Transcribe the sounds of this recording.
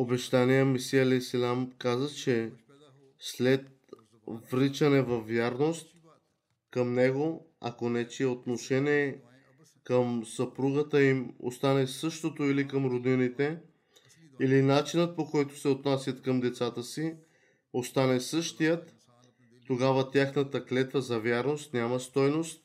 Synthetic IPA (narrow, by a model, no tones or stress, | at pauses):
obɛʃt̪anijəmisiɛlɛsilʲamkazət͡ʃɛ | slɛt̪̚ | vɾit͡ʃɐnɛvɐvːjaɾnost̪ | kəmnɛɡo | ɐ̰konɛt͡ʃiɛot̪noʃɛniɛ | kəmsɐpɾuɡət̪əimo̰st̪anɛsɤʃt̪ot̪oilikəmɾod̪init̪ɛ | ilinat͡ʃinət̪̚pokɔjt̪o̥sɛot̪nasʲjɐt̪kəmd̪ɛt̪sat̪əsi | ost̪anɛsɤʃt̪ijət̪ː | oɡavət̪ʲjaxnət̪əklɛt̪vəzɐvjaɾnost̪nʲaməst̪ɔjnost̪̚